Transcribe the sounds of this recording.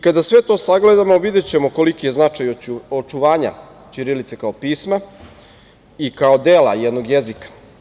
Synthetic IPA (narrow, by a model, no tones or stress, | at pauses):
ikad̪asʋe̞t̪o̞ːsaɡle̞d̪amo̞ʋid̪e̞t͡ɕe̞mo̞kolikije̞znat͡ʃajot͡ʃuʋaːɲa̰ | t͡ɕiɾilit̪sekaopiːsma | ikaod̪eːla̰jed̪no̞ɡjezikḁ